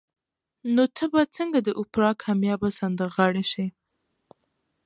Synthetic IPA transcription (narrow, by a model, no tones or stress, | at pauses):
not̪ʰəbat͡səŋɡad̪əʔʊpɾɑkʰamjɑbasand̪əɾɣɑɽeʃi